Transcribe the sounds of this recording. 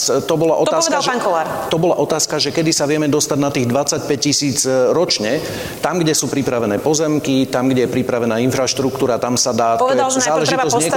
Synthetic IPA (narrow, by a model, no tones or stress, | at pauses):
t̪ɔbɔlaʔɔt̪aːsaʒnkɔlaɾt̪ɔbɔlaʔɔt̪aːskaʒɛkɛd̪isaʋɪɛmɛd̪ɔst̪aɟnat̪iːɣd̪ʋat͡sːac̚pɛc̚cisiːd͡zɾɔt͡ʃɲɛ | t̪amɡɟɛsuːpɾipɾaʋɛnɛːpɔzɛmkit̪amɡɟɛjɛpɾipɾaʋɛnaːinfɾaʃt̪ɾukt̪uːɾat̪amsad̪aːt̪ɔɛd̪alʒnzaːlɛʒit̪ɔzɲɛ